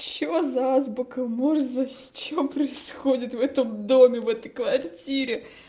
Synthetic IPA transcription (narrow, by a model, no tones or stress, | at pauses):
t͡ɕːɪozazbʊkɐmoʐzɐsʲt͡ɕempɾəɪsxodʲɪt̪vɛt̪əmd̪omʲɪvɛt̪əjkvɐrtʲiɾʲɪ